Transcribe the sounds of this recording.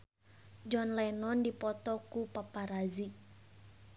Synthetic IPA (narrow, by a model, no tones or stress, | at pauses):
d͡ʒɔnlanɔndipɔt̪ɔkupapaɾazi